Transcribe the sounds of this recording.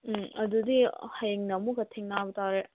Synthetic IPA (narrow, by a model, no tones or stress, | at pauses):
ɐdudihɐjeŋnɐmukɐtʰiŋnabɐtʰaɾe